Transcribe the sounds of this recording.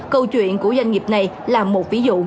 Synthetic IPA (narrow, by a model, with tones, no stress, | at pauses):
kə˧wt͡ɕwḭ˧˨ənku˧˩əza˧ŋ̟ŋi˨˩p̚na˨˩j | laː˨˩mo˨˩t̚vi˨˦zṵ˧˨